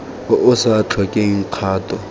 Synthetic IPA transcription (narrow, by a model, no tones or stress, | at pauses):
ʔʊsat͡ɬʰɔkʼeŋ̩q͡χʰaːtʰʼɔ